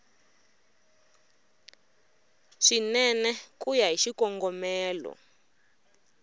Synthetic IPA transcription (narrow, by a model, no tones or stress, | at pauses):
ʂinɛnɛkujaɦiʃikɔŋɡɔmɛːlɔ̰